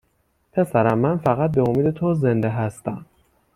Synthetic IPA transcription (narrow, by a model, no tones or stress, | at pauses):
pʰe̞sæɾæmːænfæɣæt̪̚beomiːd̪e̞t̪ʰoze̞nd̪eɦæst̪æm